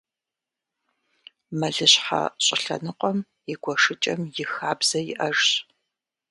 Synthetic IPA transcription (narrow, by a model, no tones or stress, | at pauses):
mɐɮɨɕħa̰ɕʼɪɬɐ̰nɨqʷʼɔm | jɪɡʷɔʂɨt͡ʃʼɐmjɪxaːbz̥ɐjɪʔɐʐɕ